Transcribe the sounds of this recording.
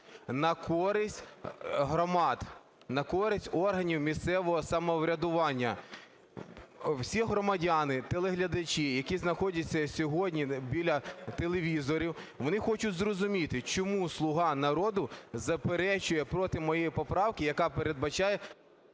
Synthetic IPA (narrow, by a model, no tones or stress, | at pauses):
nɐkʰɔɾɪsʲtʲɦɾɔmɑd̪ | nɐkɔɾɪsʲtʲɔrɦɐnʲiwmʲissɛʋɔɦɔsɐmɔʋɾʲɐd̪ʊʋɑnʲːɐ | wsʲiɦɾɔmɐdʲanɪt̪elˠeɦlʲɐd̪ɐt͡ʃʲijɐkʲiznɐxɔdʲɐt͡sʲːɐsʲɔɦɔdʲnʲibʲilʲɐt̪elˠeʋʲizɔɾʲiwʋɔnɪxɔt͡ʃʊtʲzrɔzʊmʲit̪ɪt͡ʃɔmuslˠʊɦɑnɐɾɔd̪ʊzɐpeɾɛt͡ʃʊjɛpɾɔt̪ɪmɔjejipɔpɾɑwkʲɪjɐkɑpeɾed̪̚bɐt͡ʃɑjɛ